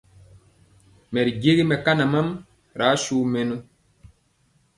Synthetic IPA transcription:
mɛ˨ɾi˨ɟe˦ɡi˦mɛ˨ka˦na˨ma˦m | ɾa˨˦ʃuː˦mɛ˨nu˦

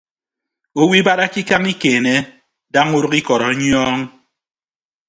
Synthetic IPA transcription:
o˦wi˦ba˦ɾa˦ki˦ka˦ŋi˦keː˨ne˦ | da˦ŋu˦ɾo˦ki˦kɔ˨ɾɔ˨˦ɲ˦ɔː˦ŋ

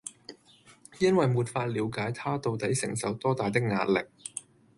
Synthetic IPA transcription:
jɐ˥nwɐ˨jmuː˨t̚faː˧t̚liː˨˧˥wkaː˨˥jt̪ʰaː˥t̪o˨wt̪ɐ˨˥jsɪ̰˨˩ŋsɐ˨wt̪ɔː˥t̪aː˨jt̪ɪ˥k̚ŋa̰ː˧˥t̚lɪ˨k̚

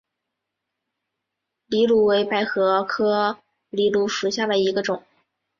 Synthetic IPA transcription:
li˧˥lu˧˥we˧˥ɪpa˧˥ɪxɤ˧˥kʰɤ˥ | li˧˥lu˧˥ʂu˨˩ɕja˥˩d̪ə˩i˧˥ɡə˧ʈ͡ʂʊ˨˩˦ŋ

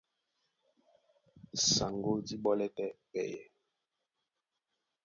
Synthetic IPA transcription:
sa˨ŋɡo˦di˦ɓɔ˦lɛ˦tɛ˦pɛ̰˨jɛ˨

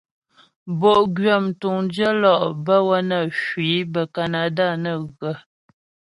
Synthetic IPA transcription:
bo˨ʔɡɥə˦˨m̩˨tu˨ŋnd͡ʒə˦lɔ˨ʔbə˦wə˦nə˨ʃwi˨˦bə˨ka˨na˨da˦˨nə˦˨ɣə˨

